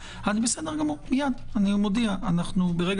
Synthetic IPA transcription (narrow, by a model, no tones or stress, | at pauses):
anibesed̪eʁɡamomijad̪animod̪iaːnaχnubeʁeɡ